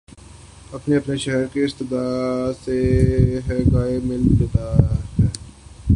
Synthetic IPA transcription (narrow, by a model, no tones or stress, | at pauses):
ɐpneɐpneʃɛɦəɾkeɪst̪ɪd̪aːseɦɛɡaːemɪlb̪ɪd̪aːɦɛː